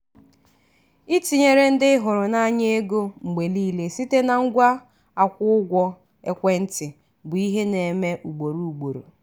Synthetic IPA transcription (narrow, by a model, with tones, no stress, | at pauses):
i˦ti˨ɲe˨ɾe˦n̩˦dɪ˦ɦʊ˨ɾʊ˨na˦ɲe˦e˦ɡo˦ŋ͡m̩˨ɡ͡be˨li˦le˨si˦te˦na˨ŋ̩˦ɡʷa˦ | a˨kʷʊ˦ʊ˦ɡʷɔ˦ | e˦kʷe˦n̩˦tɪ˨ | bʊ˨i˦ɦe˦ne˨me˦ʔu˨ɡ͡bo˨ɾu˨u˨ɡ͡bo˨ɾo̰˨